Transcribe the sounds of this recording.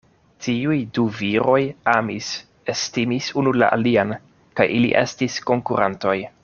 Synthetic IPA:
tiujduviɾo̞jamis | estimisunula̰ʔalian | kajʔilḭʔe̞̰stisko̞ŋkuɾʔanto̞j

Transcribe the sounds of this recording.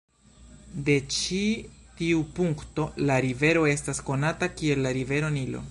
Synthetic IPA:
de̞t͡ʃitiupuŋkto̞laɾive̞ɾo̞e̞stasko̞natakie̞lːaɾive̞ɾo̞nilo̞̰

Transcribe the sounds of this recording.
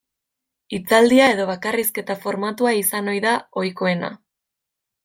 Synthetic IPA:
it͡sald̪iae̞ðo̞βakariske̞t̪afo̞ɾmat̪uaisano̞jðao̞jko̞e̞na̰

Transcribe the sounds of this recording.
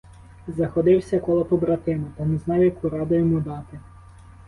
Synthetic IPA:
zɐxɔd̪ɪwsʲɐkɔlˠɔpɔbɾɐt̪ɪnɐt̪ɐnɛznɑwjɐkuɾɑd̪ʊjɔmud̪ɑt̪ɪ

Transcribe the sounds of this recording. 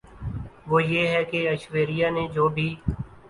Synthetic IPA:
ʋoːjeːɦɛːkeəʃʋeːɾɪjaːnẽd͡ʒoːbʱiː

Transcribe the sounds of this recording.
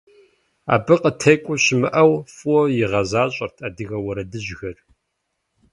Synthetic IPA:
a̰ːbɨqʼətʰɐjkʷʼʊɕɪmɨʔɐwfɔjɪʁɐzaːɕʼɐrtʰaːdɨɣɐwɐɾɐdɨʑɣɐr

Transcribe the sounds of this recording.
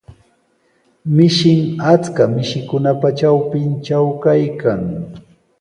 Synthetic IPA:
mɪʃɪŋat͡skamɪʃɪkʊnapat͡ʃawpɪnt͡ʃawkajkaŋ

